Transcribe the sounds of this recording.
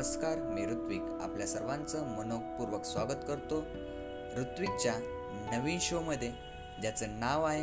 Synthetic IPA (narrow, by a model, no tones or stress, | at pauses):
əskaɾmiːɾut̪ʋiːka̰pljasəɾʋãnt͡səmənok̚puɾʋəksʋaɡət̪kəɾt̪o | ɾut̪ʋik̚t͡ɕja | nəʋĩnɕoməd̪ʱːje | d͡ʑjat͡sənaʋae